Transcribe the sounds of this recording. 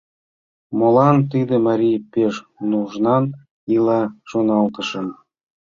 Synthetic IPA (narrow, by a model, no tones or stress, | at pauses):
molɑnt̪id̪ə̆mɑɾʲijpeʃnuʒnɑn | ilɑʃonɑlt̪ə̆ʃə̆n